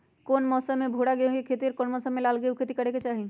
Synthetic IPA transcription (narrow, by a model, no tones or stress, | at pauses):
koːnmɔːsəmːebʱoɽaɡeõɡekʰeːt̪iɔɾkoːnmɔːsəmːelaːlɡəukʰeːt̪ikəɽeket͡ʃaːɦi